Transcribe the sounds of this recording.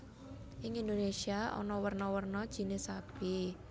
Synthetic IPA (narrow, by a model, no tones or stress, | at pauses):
ʔɪŋindonesiaʔɔ̰nɔwərnɔwərnɔd̥ʒ̥i̤nesab̥e